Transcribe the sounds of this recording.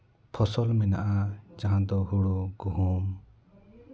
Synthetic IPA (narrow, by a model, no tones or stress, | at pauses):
pʰɔsɔlmɛna̰ʔad͡ʒaɦãd̪ɔɦuɽuɡuɦum